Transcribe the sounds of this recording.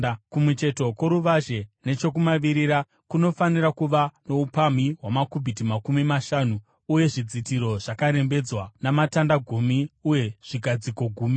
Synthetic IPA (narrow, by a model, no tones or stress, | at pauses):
kumwut͡ʃe̞to̞ko̞ɾuʋaʒe̞ne̞t͡ʃo̞k̬umaʋiɾiɾa | kuno̞faniɾakuʋano̞upamiɦwamakubʱitimakumimaʃaːnuː | je̞ʐid͡zitiɾo̞ʐ̥akaɾe̞mbe̞d͡zwanamatandaɡʱumiuje̞ʐ̥iɡʱad͡ziko̞ɡʱuːmi